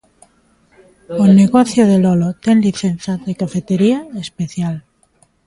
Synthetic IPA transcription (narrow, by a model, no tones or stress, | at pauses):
oneɣoθjoðelolot̪enliθenθaðekafet̪eɾiaespeθjal